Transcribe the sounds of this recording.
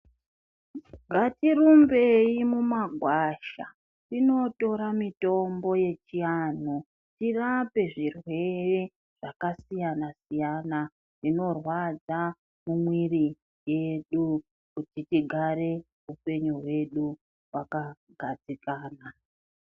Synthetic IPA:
ŋɡʱatirumbe̞imumaɡʱwaʃa | tino̞to̞ɾamito̞mbo̞je̞t͡ʃijanu | tirape̞ʐirwe̞re̞ | ʐ̥akasijanasijana | rino̞rwad͡za | mumwiri | je̞ɗu | kutitiɡʱaɾe̞ | upe̞ɲuwe̞ɗu | waka | ɡʱad͡zikaːna

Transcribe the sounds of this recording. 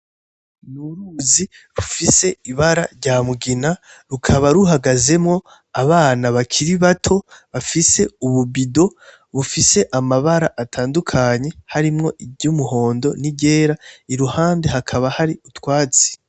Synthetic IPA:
nuɾuzi | ɾufise̞iβaɾaɾɟaːmuɡina | ɾukʰaβaɾuɦaɡaze̞mŋo̞ | aβaːnaβakʰiɾiβatʰo̞βafise̞uβubido̞ | βufise̞ʔamaβaɾaʔatʰaːndukʰaɲe̞haɾimŋo̞ʔiɟumuɦo̞ːndo̞̰niɟe̞ːɾaiɾuhaːnde̞ɦakʰaβahaɾiutwaːt͡si̥

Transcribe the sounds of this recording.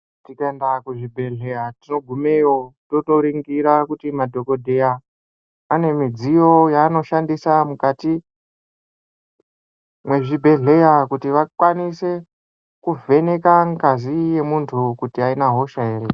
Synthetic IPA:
tikaendakuʐibʱe̞ɮe̞jatino̞ɡʱume̞jo̞toto̞ɾiŋɡiɾakutimadʱo̞ko̞dʱe̞jaː | ne̞mid͡zijo̞jaːno̞ʃandisamukati | mwe̞ʐibʱe̞ɮe̞jakutiʋakwanise̞ | kuve̞ne̞kaŋkazije̞muntʰukutiainaɦo̞ʃae̞re

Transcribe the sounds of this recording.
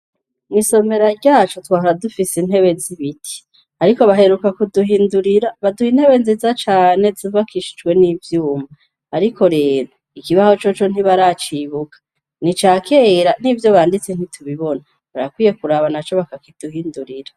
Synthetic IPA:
miso̞me̞ɾaɾɟaːt͡ʃotwaːɦaɾadufisin̥he̞βe̞ziβitʰi̥ | aɾiko̞βaɦe̞ɾukakuduhiːnduɾiɾaβaduhin̥he̞βe̞nzizat͡ʃaːne̞zuvakʰiʃi̥d͡ʒwe̞nivjuːmaː | ɾikʰo̞ɾe̞ːɾo̞ | ikiβaho̞t͡ʃo̞t͡ʃo̞n̥iβaɾat͡ʃiβukḁ | nit͡ʃaːkʰeɾanivjo̞βaːndit͡sen̥itʰuβiβo̞na | βaɾakwiːje̞kuɾaβanat͡ʃo̞βakakid̥uhiːnduɾiɾa

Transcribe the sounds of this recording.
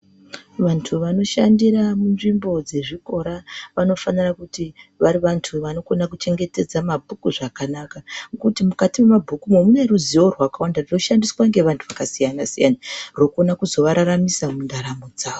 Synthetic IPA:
ʋantʰuʋano̞ʃandiɾamunʐimbo̞d͡ze̞ʐiko̞ɾaʋano̞fanirakutiʋaɾiʋantʰuʋano̞ko̞nakut͡ʃe̞ŋɡe̞te̞d͡zamabʱukuʐakanakaŋkutimukatimemabʱukumomuneruzio̞rwakawandarino̞ʃandiswaŋɡe̞ʋantʰuʋakasijanasijanarokuonakuzo̞ʋaɾaɾamisamundaɾamod͡zaːʋo

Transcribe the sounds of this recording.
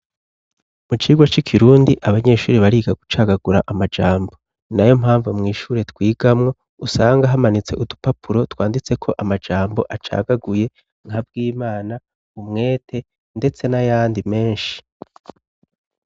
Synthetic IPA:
mut͡ʃiːɡwat͡ʃikʰiɾuːndiʔaβaɲe̞ʃuːɾiβaɾiːɡaɡut͡ʃaːɡaɡuɾaʔamad͡ʒaːmbo̞ | najo̞mhaːɱvumŋiːʃuːɾe̞twiːɡ̥amŋo̞ | usaːŋɡaɦamanit͡se̞ʔudupapʰuɾo̞twaːndit͡se̞kʰo̞ʔamad͡ʒaːmbo̞ʔat͡ʃa̰ːɡaɡuje̞ | ŋhab̚ɡiːmaːna | umŋe̞ːtʰe̞ | nde̞t͡se̞najaːndime̞ːnʃi̥

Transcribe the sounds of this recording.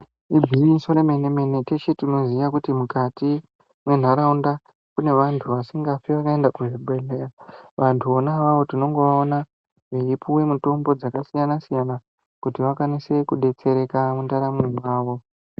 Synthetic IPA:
ibʱiʋisoɾeme̞neme̞ne̞tet͡ʃetino̞ziʋakutimukati | mwe̞n̤aɾaunda | kune̞ʋantʰuʋasiŋɡafiʋakaendakuʐibʱeleraʋantʰuonaʋaʋo̞tino̞ŋɡe̞ʋaona | ʐeipuwe̞muto̞mbo̞d͡zakasijanasijana | kutiʋakwanise̞kuɗe̞t͡se̞ɾe̞kamundaɾamiwaːʋo̞

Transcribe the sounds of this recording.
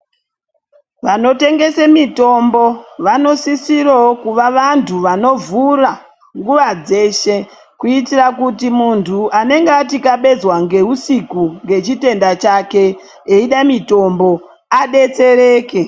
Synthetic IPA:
ʋano̞te̞ŋɡe̞semito̞mbo̞ʋano̞sisirookuʋaʋantʰuʋano̞vura | ŋɡuʋad͡ze̞ːʃe̞ | kuitirakutimuntʰuʔane̞ŋɡeatikaɓe̞d͡zwaŋɡe̞ɦusikuŋɡe̞t͡ʃite̞ndat͡ʃake̞ | eiɗamito̞mbo̞ | aɗe̞t͡se̞ɾe̞ːke

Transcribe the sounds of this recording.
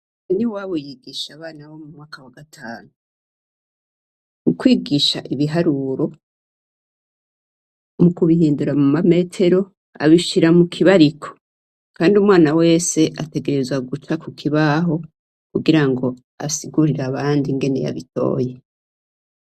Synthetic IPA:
eniwaβojiɡiʃaβaːnaβo̞mumŋaːkawaɡatʰaːnu | kukwiːɡiʃaʔiβiɦaɾuɾo̞ | mukuβiɦiːnduɾamumame̞ːtʰe̞ɾo̞ | a̰βiʃiɾamukʰiβaɾikʰo̞̥ | kaːndiumwaːnawe̞ːse̞ʔate̞ɡe̞ɾe̞zwaɡut͡ʃakukʰiβaɦo̞ | kuɡiɾaŋɡo̞ | a̰siɡuɾiɾaβaːndiŋɡe̞ne̞̰ja̰βito̞̰ːje̞

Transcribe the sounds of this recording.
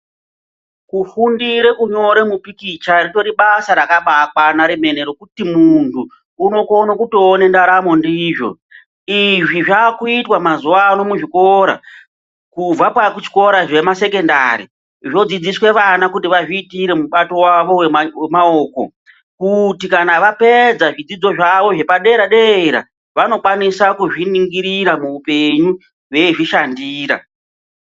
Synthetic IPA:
kufundiɾe̞ʔuɲo̞ɾe̞mupikit͡ʃarito̞ɾiɓasaɾakaɓak̚wanaɾeme̞neɾo̞kutimuntʰuː | no̞konokutoːnendaɾamo̞ndiʐo̞̰ | iʐiʐaːkuitwamazuano̞muʐiko̞ɾa̰ | kub͡vapakut͡ʃi̥ko̞ɾaʐe̞mase̞ke̞nda̰ɾḭ | ʐo̞d͡zid͡ziswe̞ʋanakutiʋaʐiːtiɾe̞muɓato̞waʋo̞wewemaoko̞̰ | kutikanaʋape̞d͡zaʐid͡zid͡zo̞ʐaʋo̞ʐe̞paɗe̞ɾaɗeeɾa̰ | ʋano̞kwanisakuʐiniŋɡiɾiɾamuupe̞ɲu | we̞ʐiʃandiːɾa̰

